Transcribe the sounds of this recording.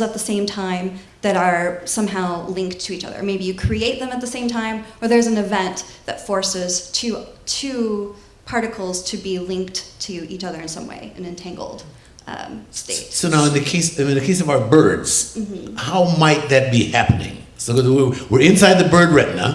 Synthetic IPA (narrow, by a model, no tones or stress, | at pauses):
zət̪̚ðɨsẽɪ̃mtʰãɪ̃m | ðɨɾə˞sʌ̃mɦaʊlɪ̃ŋk̚tʰɨit͡ʃʌ̰ðə̰˞meɪbijɨkʰɹ̥ieɪt̪̚ðɨ̃mət̪̚ðɨsẽɪ̃mtʰãɪ̃mə˞ðə˞zɨ̃nɨvɛ̃nðɨtfɔɹsɪz̥tʰɨtʰʉ | pʰɑɹɾɨkʰl̩ˠz̥tʰɨbilɪ̃ŋktʰɨit͡ʃʌðə˞ɨ̃nsʌ̰̃mwḛɪɨ̃nɨ̃ntʰæ̃ŋɡl̩ˠd̥̰ | steɪt̚soʊnaʊɨ̃nðɨkʰeɪsɨɨ̃nðɨkʰeɪsʌvaʊə˞bɜ˞dz̥̩m̥̩haʊmaɪt̪̚ðɨt̚b̥ihæpɨnɪ̰̃ŋ | soɡʌzwiwɨɹɨ̃nsaɪd̪̚ðɨbɜ˞d̚ɹɪʔn̩ə̰